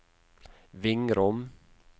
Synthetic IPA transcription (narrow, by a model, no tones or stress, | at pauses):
vɪŋɾɔm